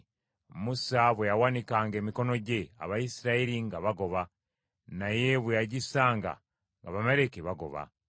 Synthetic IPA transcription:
musaβwejawanikaːŋɡe̞ːmiko̞no̞ɟe̞a̰βajisiɾaeɾiŋɡaβaɡo̞βa | naje̞βwejaɟisaːŋɡa̰ | ŋɡaβameɾe̞keβaɡo̞̰βa̰

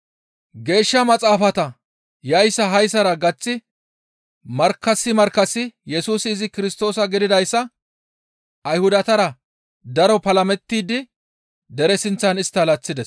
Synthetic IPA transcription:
ɡe̞ːʃːɐmɐt͡sʼaːfɐt̪ɐ | jɐjsːɐɦɐjsɐɾɐɡɐt͡sːɪ | mɐɾkːɐsːɪmɐɾkːɐsːɪjɛsuːsɪːzɪkɪɾɪst̪o̞ːsɐɡɪd̪ɪd̪ɐjsːɐ | ɐjhʊd̪ɐt̪ɐɾɐ | d̪ɐɾɔpɐlɐmɛt̪ːiːd̪ɪ | d̪ɛɾɛsɪnt͡sːɐnɪst̪ːɐlɐt͡sːɪd̪ɛs

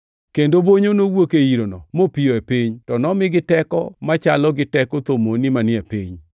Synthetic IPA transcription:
kendoboɲonowokeiɾonɔmopijoepiɲtɔnɔmɪɡɪtɛkɔ̰mat͡ʃalɔɡɪtɛkot̪omonɪmanɪɛpiɲ

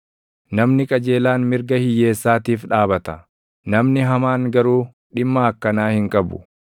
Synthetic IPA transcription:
nɐmnɪkʼɐd͡ʒe̞ːlaːnmɪɾɡɐhɪjːe̞ːsːaːt̪iːfᶑaːbɐt̪ɐ | nɐmnɪɦɐmaːŋɡɐɾuː | ɗɪmːɐːkːɐnaːhɪŋkʼɐbʊ̰

